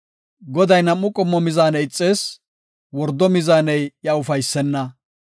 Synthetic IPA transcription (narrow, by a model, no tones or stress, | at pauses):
ɡɔd̪ɐjnɐmːʊkʼɔmːɔmɪzaːnɛjɪt͡sʼːeːs | wɔɾd̪ːɔmɪzaːnɛjjɐʊfɐjsːɛnːɐ